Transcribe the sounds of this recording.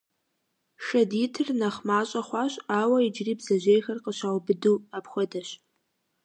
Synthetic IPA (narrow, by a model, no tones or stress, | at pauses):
ʂɐditʰɨrnɐχmaːɕʼɐχʷɑːɕʼaːwɐid͡ʒriːbzɐʒejxɐrqəɕʷawbɨdɨwapxʷɔdɐɕ